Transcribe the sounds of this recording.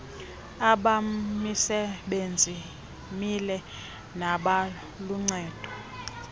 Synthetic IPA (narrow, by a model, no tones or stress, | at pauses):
aɓamisɛɓend͡zʱi | milɛ | naɓa | luŋ͡ǀɛːd̥ʱɔ̥